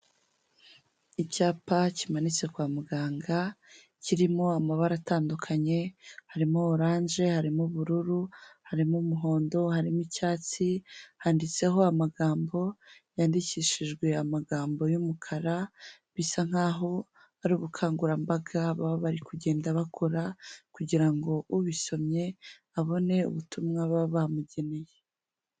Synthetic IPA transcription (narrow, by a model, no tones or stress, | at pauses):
icaːpacimanit͡se̞kwaːmuɡaːŋɡa | ciɾimo̞amaβaɾataːndukʰaɲe̞haɾimoːɾaːɲʒe̞haɾimuβuɾuɾuhaɾimumuɦo̞ːndo̞haɾimicaːt͡sihandit͡se̞ɦo̞amaɡaːmbo̞jaːndiciːʃiʒɡwe̞amaɡaːmbo̞jumukʰaɾaβisaŋ̥aːɦo̞ | aɾuːβukʰaːŋɡuɾambaɡaβaβaβaɾikuɟe̞ːndaβakʰo̞ɾakuɟiɾaŋɡo̞ʔuβiso̞mɲe̞ | aβo̞ne̞ṵβutumŋaβaβamuɟe̞ne̞je